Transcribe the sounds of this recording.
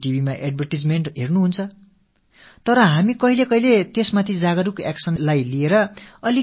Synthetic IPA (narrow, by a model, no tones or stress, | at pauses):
ʈibʱimaʔeɖ̚bʱʌrʈid͡zmeɳʈɦernuɦunt͡sʰʌ | t̪ʌɾʌɦamikʌɦilekʌɦilet̪esmat̪ʰid͡zaɡʌɾukeksʌnlajlieɾʌʌli